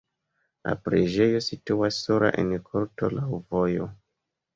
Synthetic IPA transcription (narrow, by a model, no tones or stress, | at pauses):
la̰pɾed͡ʒe̞jo̞situasːoɾa̰ʔenkʰoɾto̞̰lawvo̞jo̞